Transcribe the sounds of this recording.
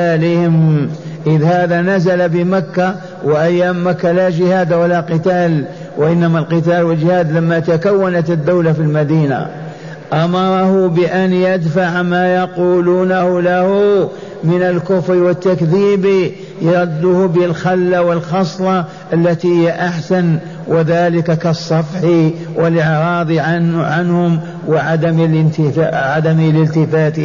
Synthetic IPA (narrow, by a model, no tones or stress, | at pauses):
alɪhɪm | ʔəðhæːdðanæzalabəmakːa | wəʔæjːamːakːalæʒəhæːd̪walaqət̪aːl | wəʔɪnːæmalqət̪ælwəlʒəhæːd̪ləmːat̪akawːanat̪əd̪ːawlafilmæd̪iːna̰ | ʔɑmɑɾˤɑhʊbəʔænjəd̪faʕmajɑquːlunahʊlahʊ | mɪnəlkʊfɾiwət̪ːakðiːbi | jɑɾˤd̪ːʊhbəlxalːawəlxɑsˤlɑ | ʔəlːat̪ihɪjːaʔaħsan | wɪðaːlɪkakɑsˤːɑfħiwɪlʔɪʕɾɑːd̪ˤiʕanhʊm | wɪʕad̪amlt̪ʕad̪amilɪlt̪ɪfaːt̪